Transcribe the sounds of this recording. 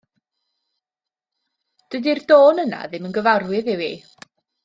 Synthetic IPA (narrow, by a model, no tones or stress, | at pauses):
d̥ədirdoːnəna̰ðɪmənɡəvarwɪðɪwi